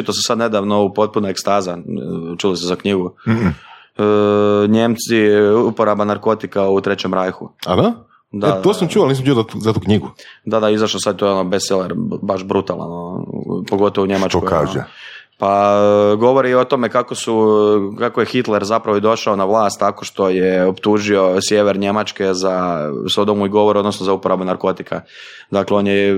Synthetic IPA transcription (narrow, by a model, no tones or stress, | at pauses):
t͡ʃit̪osesad̪ne̞d̪aʋno̞upo̞t̪̚punoekst̪aːzat͡ʃulisezakɲiɡu | əɲe̞mt̪siupo̞ɾabanaɾko̞t̪ikaut̪ɾe̞t͡ɕe̞mɾajxuad̪a | d̪aeosamt͡ʃualniːs̬mt͡ʃujzat̪uːkɲiɡud̪ad̪aizaʃlosad̪̚t̪ojeonobeseleɾbaʃbɾut̪ala̰nopo̞ɡo̞t̪oʋuɲemat͡ʃokoaʒje | paɡo̞ʋo̞ɾio̞t̪o̞mekako̞sukakojexit̪leɾzapɾaʋoid̪o̞ʃaonaʋlˠaːst̪ːakoʃt̪o̞jeopt̪uʒio̞sje̞ʋeɾɲe̞mat͡ʃkezasod̪omuiɡo̞ʋoɾio̞d̪nosnozaupoɾabunaɾko̞t̪ikʰa̰d̪akleo̞nje